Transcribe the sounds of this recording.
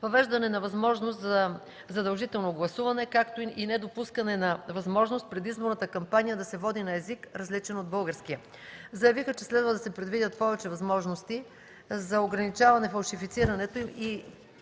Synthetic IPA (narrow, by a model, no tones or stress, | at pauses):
vɐvɛʒd̪ɐnɛnɐvɐzmɔʒnost̪zɐ | zɐd̪ɐlˠʒit̪ɛlˠnoɡlˠɐsuvɐnɛkakt̪oiinɛd̪opuskɐnɛnɐvɐzmɔʒnost̪̚pɾɛd̪izboɾnət̪əkɐmpanijəd̪ɐsɛvɔd̪inɐɛzikɾɐzlit͡ʃɛnod̪̚bɤlˠɡəɾskijə | zɐjɐvixət͡ʃɛslɛd̪vəd̪ɐsɛpɾɛd̪vid̪ʲət̪pɔvɛt͡ʃɛvɐzmɔʒnost̪i | zɐoɡɾɐnit͡ʃavɐnɛfɐlˠʃifit̪siɾɐnɛt̪oimi